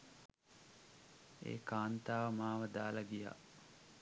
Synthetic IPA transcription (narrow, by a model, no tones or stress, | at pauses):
ḛːkaːnt̪aːʋəmaːʋəd̪aːlaɡija̰